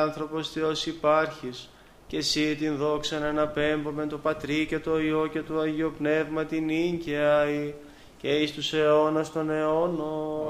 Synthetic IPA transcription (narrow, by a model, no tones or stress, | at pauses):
nθɾo̞po̞sθeosipɐɾçis | ce̞sit̪inðo̞ksɐnenɐpe̞mbomet̪o̞pɐt̪ɾice̞t̪o̞io̞ce̞t̪oɐʝio̞pne̞vmɐt̪iniɲɟiɐi | ceist̪use̞o̞nɐst̪o̞ne̞ono